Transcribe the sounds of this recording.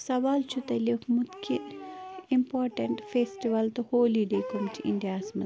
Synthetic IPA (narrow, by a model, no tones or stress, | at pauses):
sɐʋaːlt͡ʃut̪ɐlikmut̪kʰinimpoːɾʈɐɳʈfeːsʈiʋɐlt̪uhoːliɖeːkumt͡ʃiḭnɖijaːsmɐ